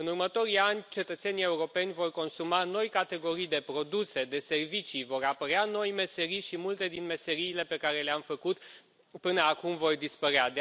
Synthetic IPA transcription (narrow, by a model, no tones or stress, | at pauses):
ɨnurmət̪o̞ɾianʲt͡ʃe̞t̪ət̪se̞nije̞uɾo̞pe̞nʲvo̞rko̞nsumano̞jkat̪e̞ɡo̞ɾijd̪e̞pɾo̞d̪use̞d̪e̞se̞rvit͡ʃivo̞ɾapəɾeano̞jme̞se̞ɾijʃimult̪e̞d̪inme̞se̞ɾiːle̞pe̞kaɾe̞leamfəkut̪ | pɨnəakumvo̞rd̪ispəɾead̪